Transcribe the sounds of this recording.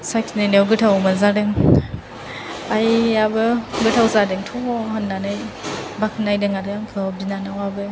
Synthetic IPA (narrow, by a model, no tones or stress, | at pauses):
sajkʰinenawɡɯtʰawmazadɯŋ | ajabɯɡɯtʰawzadɯŋtʰɔbɔhɯnːanɯjbakʰɯnajdɯŋadɯaŋkʰɯbinanawabɯ